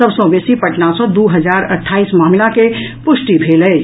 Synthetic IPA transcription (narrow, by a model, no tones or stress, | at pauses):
əbsɔ̃besipəʈnasɔ̃d̪uːɦəd͡ʒaːɾəʈʰːaːismaːmɪlakepʊʃʈibʱeːlɛ